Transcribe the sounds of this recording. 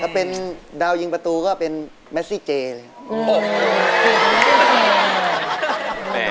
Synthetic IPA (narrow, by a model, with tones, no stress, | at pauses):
t̪ʰa˧˩pe˧ndaː˧wji˧ŋpa˧t̪uː˧kɔː˥˩pe˧n | mɛ˦˥siː˥˩t͡ɕeː˧lɤː˧